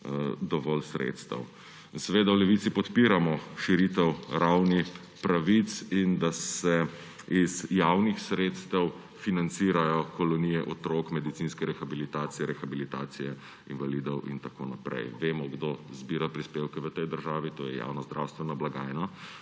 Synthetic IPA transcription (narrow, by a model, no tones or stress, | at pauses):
d̪ɔʋɔlsɾḛt̪st̪a̰w | insɛʋeːd̪awlɛʋit̪sipɔt̪piɾamɔʃiɾit̪ɛwɾawni | pɾaʋit̪sind̪asɛ | izjawnixsɾeːt̪st̪ɛw | finant̪siːɾajɔkɔlɔniːjɛʔɔt̪ɾoːkmɛd̪it̪sinskɛɾɛxabilit̪aːsijɛɾɛxabilit̪aːt̪sijɛ | invalid̪ɔwḭnt̪ako̰ːnapɾɛ̰jʋeːmɔɡd̪ozbiːɾapɾispewkɛʋət̪ɛjd̪əɾʒaːʋit̪oːjɛ̰ja̰wnazd̪ɾa̰wst̪ʋɛnablaɡaːjna